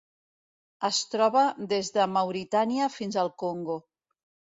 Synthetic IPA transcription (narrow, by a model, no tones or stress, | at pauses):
əst̪ɾɔβaðezðəmawɾit̪aniəfinzalˠkoŋɡo